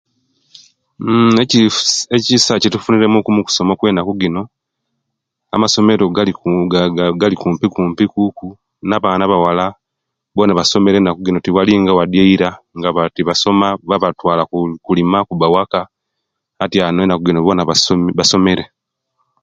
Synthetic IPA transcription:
ecisacitufuniɾe̞mukumuku̥so̞mokwe̞ːnakuɡino̞ | a̰maso̞me̞ɾoɡ | ɡalikuːmpikuːmpikuku | naβaːnaβawala | βo̞naβaso̞me̞ɾenakuɡino̞tiwaliŋɡawadjeiɾaŋɡaβatiβaso̞maβaβatwaːlakulimakubawakaː | tjanwenakuɡino̞βo̞naβaβaso̞me̞ɾe

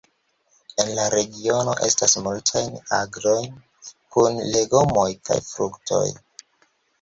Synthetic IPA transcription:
e̞nlaɾeɡio̞no̞̰ʔe̞̰stasmultʰajna̰ɡɾo̞jn | kunle̞ɡo̞mo̞jka̰jfɾuktʰo̞̰j

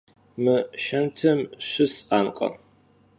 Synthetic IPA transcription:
mɨʃɐntʰɨmʃɨsaːnqʼɐ̰

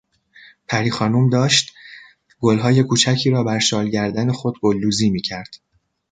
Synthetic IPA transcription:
pʰæɾiːxɒːnumd̪ɒːʃt̪ | ɡ̥olɦɒːje̞kʰuːt͡ʃʰæcʰiːɾɒːbæɾʃɒːlɟæɾd̪æne̞xo̞d̪̚ɡolːuːziːmiːcʰæɾd̪̥

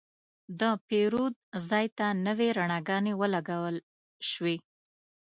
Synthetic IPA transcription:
d̪əpeɾud̪̚zɑjt̪anəweɾaɳɑɡɑnewəlaɡawəl | ʃwi

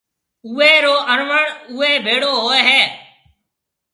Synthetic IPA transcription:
uːeːɾoːʔəɾʋəɳʊːeːbʱeːɽoːɦoːeːɦeː

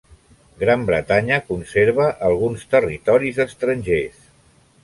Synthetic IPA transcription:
ɡɾambɾət̪aɲəkunseɾβ̞əʔəlˠɣunst̪ərit̪ɔɾizəst̪ɾənʲʒes

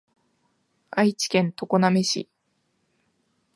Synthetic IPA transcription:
ait͡ɕi̥kẽ̞nt̪o̞ko̞name̞ɕḭ

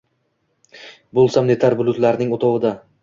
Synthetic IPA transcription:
bolˠsamne̞t̪ʰaɾbʊlˠʊt̪laɾnɪŋot̪ʰɒwɪd̪a

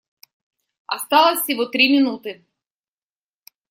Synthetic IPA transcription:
ɐst̪ɑlˠɐsʲiʋɔt̪ɾʲimʲinut̪ɪ

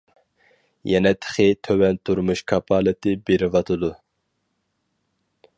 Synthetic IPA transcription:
jɛnɛt̪ʰə̥χɪt̪ʰøwɛnt̪ʰuɾmuʃkʰɑpʰɑːlˠɨt̪ʰɪbeɾɪvɑt̪ʰɨd̪u

